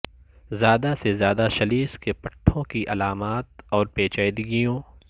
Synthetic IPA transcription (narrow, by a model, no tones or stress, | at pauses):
zjaːd̪asezjaːd̪aʃɐliːskepɐʈʰːõkiʔɐlaːmaːt̪ɔːɾpeːt͡ʃaːjd̪ɪɡijõː